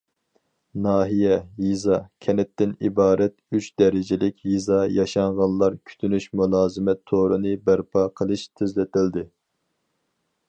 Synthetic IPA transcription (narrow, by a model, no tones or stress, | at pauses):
nɑːɦijɛjizɑkʲʰɛnɛt̪ːɪnibɑːɾɛt̪̚yt͡ʃd̪ɛɾɪd͡ʒɪlɪkʲjizɑjɑʃɑɴʁɑnlˠɑɾkʲʰy̥t̪ʰynyʃmulˠɑːzɨmɛt̪ʰːoɾɨnɨbæɾpʰɑqʰəlˠɨʃt̪ʰɪzlɪt̪ɪld̪ɪ